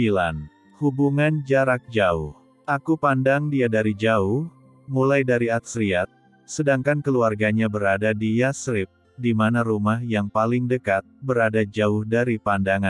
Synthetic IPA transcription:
ilan | hubuŋand͡ʒaɾak̚d͡ʒaʊh | ʔakupandaŋdiadaɾid͡ʒaʊh | mulajdaɾiat̪̚sɾiat̪̚ | sədaŋkankəluarɡaɲabəɾadadijasɾɪp̚ | dimanaɾumahjaŋpalɪŋdəkat̪̚bəɾadad͡ʒaʊhdaɾipandaŋan

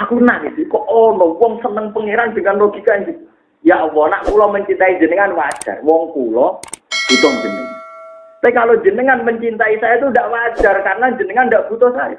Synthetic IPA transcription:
akuənaɡisikɔʔɔlɔwɔŋsənəŋpəŋeɾand͡ʒ̥əŋanloɡ̥ikand͡ʒi | jawɔnaʔkulɔməɲt͡ʃint̪aid͡ʒənəŋanwḁd͡ʒ̥a̰rwɔŋkulɔb̥ut̪ɔŋd͡ʒənəŋant̪aikalod͡ʒənəŋanməɲt͡ʃint̪aisajat̪udaʔwḁd͡ʒ̥arkaɾənad͡ʒənəŋandaʔb̥ut̪ɔsaja̰

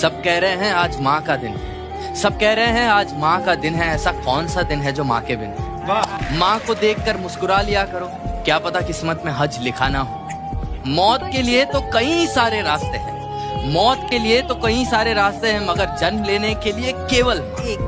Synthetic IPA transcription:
sɐb̚kɛɦɾɐɦẽɦɛ̃aːd͡ʒmãːkad̪ɪnɦɛ | sɐb̚kɛɦɾɐɦẽɦɛ̃aːd͡ʒmãkad̪ɪnɦɛɛːsakɔːnsad̪ɪnɦɛd͡ʒoːmã̰ːkebɪnɛ̃ | mãːkod̪eːkʰːəɾmʊskʊɾalijakɐɾoːkjaːpɐt̪akɪsmət̪mẽɦɐd͡ʒlɪkʰaːnaɦoː | mɔːt̪keliet̪okɐɦĩsaːɾeɾaːst̪eɦɛ̰̃ː | mɔːt̪keliet̪okɐɦĩsaːɾeɾaːst̪eɦɛ̃mɐɡəɾd͡ʒɐnmleːnekeliekeːʋəlɦã

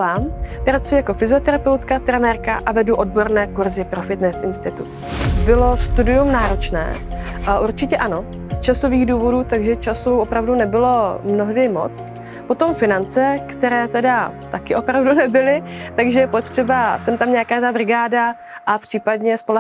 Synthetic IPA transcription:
aːmpɾat͡sujɛjako̞fɪzɪo̞t̪ɛɾapɛwt̪kat̪ɾɛnɛːɾka̰ʔavɛduʔo̞d̚bo̞ɾnɛːkuɾzɪpɾo̞fɪt̪nɛsɪnst̪ɪt̪ut̪ | bɪlo̞st̪udɪjumnaːɾot͡ʃnɛ̰ː | ʔuɾt͡ʃɪcɛʔano̞ | st͡ʃaso̞viːɣduːvo̞duːt̪aɡʒɛt͡ʃasuopɾavdunɛbɪlo̞mno̞ɦdɪmo̞̰t͡s | pot̪o̞mfɪnant͡sɛkt̪ɛɾɛːt̪ɛdat̪akɪʔo̞pɾavdunɛbɪlɪt̪aɡʒɛjɛpo̞t̪r̥ɛbasɛmt̪amɲakaːt̪abɾɪɡaːda | ʔapr̥iːpadɲɛspol

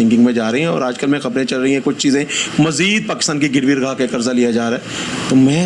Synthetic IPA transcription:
ɪ̃ŋkɪ̃ŋɡmẽd͡ʒaːɾɐɦĩɦɛ̃ɔ̰ːɾaːd͡ʒkəlmẽxɐbɾẽt͡ʃɐlɾɐɦĩɦɛ̃kʊt͡ʃʰt͡ʃiːzẽmɐziːd̪̚paːkɪst̪aːnkiɡɪɾʋiɾɐɡʱaːkaeːkɐɾzalijad͡ʒaːɾaɦɛːt̪oːmɛ̃ː

